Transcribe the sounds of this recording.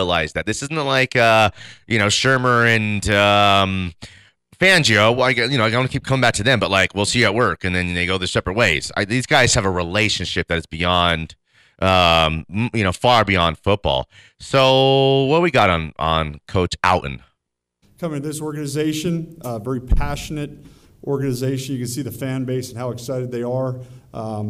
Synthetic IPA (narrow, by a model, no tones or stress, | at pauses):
əlaɪzðɨt̪̚ðɪsɪz̃n̩tlaɪkʰʌjʔɨñoʊʃɜ˞mə˞ɨ̃nʌ̃m | fæ̃nd͡ʒioʊaɪɡjɨnoaɪɡwʌ̃nɨkʰip̚kʰʌ̃mɪ̃ŋbæk̚tʰɨðɨ̃mbʌt̚ˡlaɪkwilˠsijɨət̚wɜ˞kɨ̃nðɨ̃nðeɪɡoʊðɨsɛpɹɨt̚weɪz̥a̰ɪðizɡaɪz̥ɨvəɹileɪʃɨ̃nʃɪp̚ðɨɾɨzb̥iɑ̃nd̥ | ʔʌ̃mjɨñoʊfɑɹbiɑ̃nd̥fʊt̚b̥ɔ̰lˠ | soʊwət̚wiɡɑɾn̩ʔə̃nkʰoʊt͡ʃa̰ʊʔn̩ | kʰʌ̃mɪ̃ŋtʰɨðɪsɔɹɡɨnɨzeɪʃɨ̃nvɛɹipʰæʃɨnɨɾ | ʔɔɹɡɨnɨzeɪʃɨ̃n̩jɨkɨ̃nsiðɨfæ̃nbeɪsn̩haʊɨksaɪɾɨd̪̚ðeɪə˞